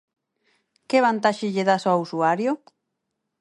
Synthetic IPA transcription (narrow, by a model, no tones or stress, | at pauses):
keβant̪aʃeʎeðasoausuaɾjo